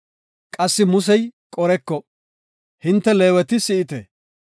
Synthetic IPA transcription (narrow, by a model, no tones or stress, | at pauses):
kʼɐsːɪmʊsɛjkʼɔɾɛkːɔ | hɪnt̪ːɛleːwɛt̪ɪsɪʔɪt̪ɛ